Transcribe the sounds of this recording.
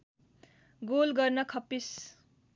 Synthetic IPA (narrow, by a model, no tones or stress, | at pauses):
ɡolɡʌrnʌkʰʌpːis